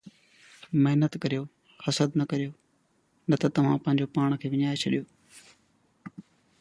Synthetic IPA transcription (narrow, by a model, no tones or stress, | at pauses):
mɪɦnət̪kɐɾijoː | hɐsəd̪nɐkɐɾijoː | nɐt̪ɐt̪ɐʋ̤ãːpɐ̃ɦɪɲd͡ʑopaːɽ̃kʰeːʋɪɲaːet͡ɕʰɐɗijoː